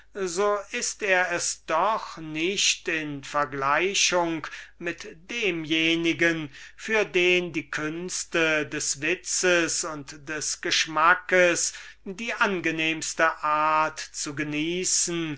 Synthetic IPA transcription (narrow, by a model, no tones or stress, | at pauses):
zoːʔɪsteːɐɛsd̥ɔχnɪʃtɪnfɛɐɡlaɪɕʊŋkmɪtd̥eːmjeːnɪɡənfyːɐdeːndiːkʰʏnstədɛsvɪt͡səsʊntd̥ɛsɡ̥əʃmakəsdiːʔanɡəneːmstəʔaːɐtt͡suɡəniːsn̩